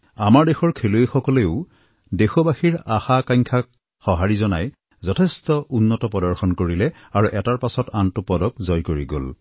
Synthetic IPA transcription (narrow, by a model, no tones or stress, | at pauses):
amaɹdexɔɹkʰeluexɔkɔleʊ | dexɔbaxiɹaxakaɲkʰak̚ | xɔɦaɹizɔnaj | zɔtʰestɔʔunːɔtɔpɔdɔɹxɔnkoɹilɛ | aɹuʔɛtaɹpasɔtantʊpɔdɔkzɔjkoɹiɡo̰l